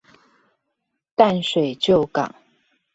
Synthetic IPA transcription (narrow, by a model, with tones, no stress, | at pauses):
t̪a˥˨nʂwe˨˩ɪt͡ɕjo˥˨ʊkɑ̰˨˩˦ŋ